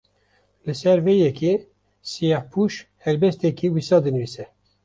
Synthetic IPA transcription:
lɨsɛɾvejɛkʰe | sijɑhpʰuʃhɛɾbɛst̪ɛkiwisɑːd̪ɨnɨvisɛ

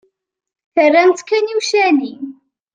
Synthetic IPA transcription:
θərːænt̪kːæniwʃæni

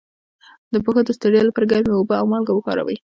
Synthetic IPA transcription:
d̪əpəxod̪əst̪əɽelapəɾɡaɾmeobəawmɑlɡawəkɑɾa̰wə̰j

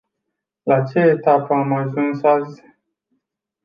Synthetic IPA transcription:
lat͡ʃe̞et̪apəamaʒunsaz

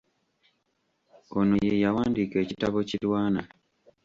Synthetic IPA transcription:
onojejawaːndike̞ːcitaβo̞cilwaːna

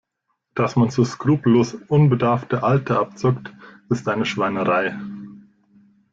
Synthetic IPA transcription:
d̥asmant͡suːskʁ̥uːploːsʔʊnbədaɐftəʔaltəʔap̚t͡sʊkt | ɪstʔaɪnəʃv̥aɪnəʁaɪ

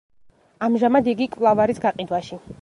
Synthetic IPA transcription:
amʒamad̪iɡikʼvlˠavaɾisɡaqʼid̪waʃi

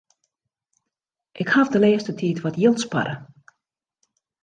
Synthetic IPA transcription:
ʔɪkhavdəleəstətʰiːtʋɔtjilˠtspa̰ɾə

